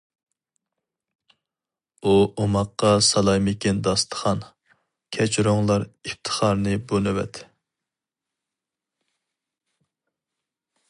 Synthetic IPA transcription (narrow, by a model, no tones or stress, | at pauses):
uomɑqːɑsɑlˠɑjmɪkʲɛnd̪ɑst̪ʰə̥χɑn | kʲʰɛt͡ʃʰɾoŋlˠɑɾipt̪ʰə̥χɑɾnɨbolɨwɛ̰t̪